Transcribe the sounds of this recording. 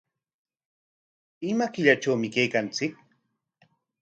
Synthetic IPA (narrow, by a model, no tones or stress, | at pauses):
ɪmakɪʎaʈ͡ʂawmɪkejkant͡sɪk̚